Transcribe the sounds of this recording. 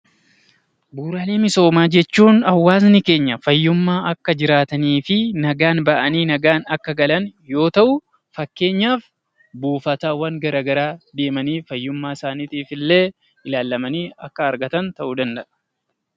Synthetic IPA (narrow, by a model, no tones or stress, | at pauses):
buːɾaːleːmɪso̞ːmaːd͡ʒɛt͡ʃːuːnɐwːaːznɪke̞ːɲːɐfɐjːʊmːaːɐkːɐd͡ʒɪɾaːt̪ɐniːfɪnɐɡaːnbɐʔɐniːnɐɡaːnɐkːɐɡɐlɐnjo̞ːt̪ɐʔʊ | fɐkːe̞ːɲːaːf | buːfɐt̪aːwɐŋɡɐɾaːɡɐɾaːd̪e̞ːmɐniːfɐjːʊmːaːɪsaːniːt̪iːfɪlːe̞ː | ɪlaːlːɐmɐniːɐkːɐːɾɡɐt̪ɐnt̪ɐʔud̪ɐnd̪ɐʔɐ̥